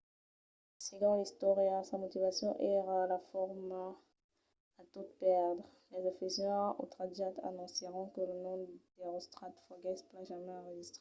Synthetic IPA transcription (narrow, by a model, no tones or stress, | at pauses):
siɡʁɑ̃ist̪ɔʁjasamɔt̪ivasjɔ̃ʔɛʁalafɔʁm | at̪ut̪pɛʁd̪ʁ | lɛzafizɛ̃o̰t̪χad̪jat̪ʰa̰nɔ̃seʁɔ̃kələnɔ̃d̪eʁɔst̪χat̪fɔɡɛsplaʒamɛ̃ɑ̃ʁəʒist̪χe